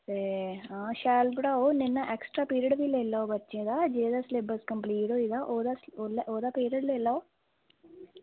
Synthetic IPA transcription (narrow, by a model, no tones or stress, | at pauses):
seaːʃaːlpɽaːoninːɐʔeksʈɾaːpiːɾiɐɖʋiːlɛlːaːwbɐt͡ʃːid̪aːd͡ʒeːd̪aslebɐskɐmpliːʈoːid̪aːʔoːd̪asolʔoːd̪aːpiːɾɐɖloilːaːw